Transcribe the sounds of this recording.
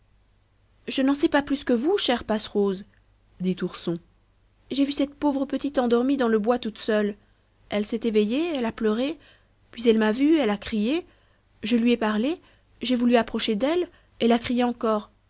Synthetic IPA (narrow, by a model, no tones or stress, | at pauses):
ʒənɑ̃sɛpaplyskəvuʃɛʁpasʁoz | d̪it̪uʁsɔ̃ | ʒevysɛt̪povʁəpət̪it̪ɑ̃d̪ɔʁmid̪ɑ̃ləbwat̪ut̪sœl | ɛlsɛt̪evejeɛlaplœʁe | pɥizɛlmavyɛlakχije | ʒəlɥiɛpaʁle | ʒevulyapχɔʃed̪ɛl | elakχijeɑ̃kɔːʁ